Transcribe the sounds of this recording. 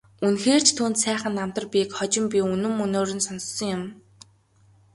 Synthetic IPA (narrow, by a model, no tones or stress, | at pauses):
unxeːr̥t͡ɕʰt̪ʰuːnt̪sæːχə̆nːam̥t̪ə̆rpʲikχɔt͡ɕɪ̆mpʲiɵnɵ̆mɵnoːɾɵ̆nsɔnsːɞ̆ŋjʊm